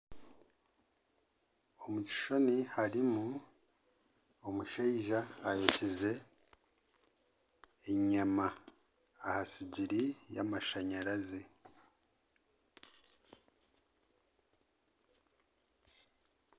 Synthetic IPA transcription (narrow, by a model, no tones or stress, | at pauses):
omuci̥ʃo̞nihaɾimu | omuʃeiʒaːjocize̞ | ɲamaː | hasiɟiɾijamaʃaɲaɾaze